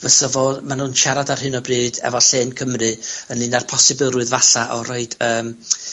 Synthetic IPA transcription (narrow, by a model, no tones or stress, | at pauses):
vəsɔvɔmanuːnʃaɾadar̥hɨnɔbrɨːdɛ̰vɔɬeːnkʰəmrɨənɨnarpʰɔsɪbɪlˠrʊɨðvaɬaʔɔrɔɨd̥əːm